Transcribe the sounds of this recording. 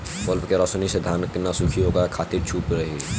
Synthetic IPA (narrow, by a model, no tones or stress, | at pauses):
kɔlpkeɾɔsnised̪ʱaːnkənasukʰiɦoːɡakʰaːt̪iɾt͡ʃʰuːpɾəɦi